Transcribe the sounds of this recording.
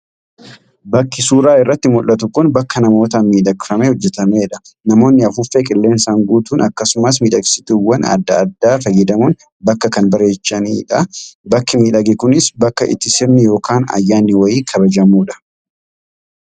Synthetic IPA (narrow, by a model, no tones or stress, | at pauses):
bɐkːɪsuːɾaːɪrːɐt̪ːɪmʊlːɐt̪ʊkʊnbɐkːɐnɐmo̞ːt̪ɐmiːᶑɐɡɪfɐmehɔd͡ʒːɛt̪ɐmeːᶑɐ̥ | nɐmo̞ːnːɪɐfʊfːeːkʼɪlːe̞ːnsaŋɡuːt̪uːnɐkːɐsʊmɐs̬miːᶑɐɡsɪt̪ʊwːɐnɐ̰d̪ːɐːd̪ːaːfɐjːɛd̪ɐmʊn | bɐkːɐkɐnbɐɾe̞ːt͡ʃːɐniːᶑɐbɐkːɪmiːᶑɐɡɪkʊnɪsbɐkːɐʔɪ̰t̪ːɪsɪɾnɪjo̞ːkaːnɐ̰jːaːnːɪwɐjiːkʰɐbɐd͡ʒɐmuːᶑɐ̥